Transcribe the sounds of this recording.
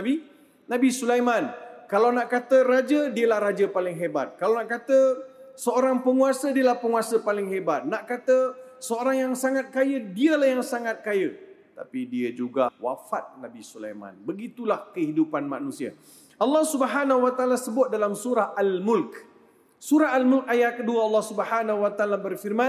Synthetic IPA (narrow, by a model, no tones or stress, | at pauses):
abi | nabisulajmankalawnaʔkat̪əɾad͡ʒədiəlahɾad͡ʒəpalɪŋɦebat̪̚kalawnaʔkat̪ə | səoɾaŋpəŋuasədiəlahpəŋuasəpalɪŋɦebat̪̚naʔkat̪əsəoɾaŋjaŋsaŋat̪̚kajədiəlahjaŋsaŋat̪̚kajə | t̪a̰pidiəd͡ʒuɡawa̰fat̪̚nabisula̰jmã̰nbəɡit̪ulahkəhidupanma̰nũsia̰ | ʔalːɑhsubəɦanawat̪alasəbʊt̪̚dalamsuɾahʔalmʊlk | suɾaɦalmʊlk̚ajahkəduəɑlːɑhsubəhanawat̪alabərfirmã